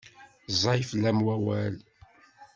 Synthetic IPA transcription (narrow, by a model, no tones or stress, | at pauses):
zˤɑjflːæmwæwæl